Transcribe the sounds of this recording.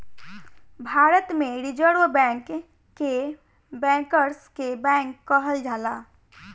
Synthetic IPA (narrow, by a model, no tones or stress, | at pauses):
bʱaːɾət̪mẽɾɪd͡ʒəɾʋbɛ̃ːŋkː | e | bɛ̃ːŋkəɾskebɛ̃ːŋkːəɦəld͡ʒʱaːlaː